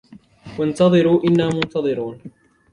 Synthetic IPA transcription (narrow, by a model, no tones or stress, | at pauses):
want̪ɑðˤɨɾuːʔɪnːaːmʊnt̪ɑðˤɨɾuːn